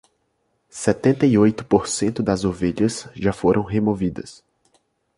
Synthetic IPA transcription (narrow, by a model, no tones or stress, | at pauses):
sɛt̪ẽnt̪ɐiojt̪ʊ̥poɾsẽnt̪ʊd̪ɐzoveʎɐsʒafoɾʔɐ̃w̃ɦemovid̪ɐs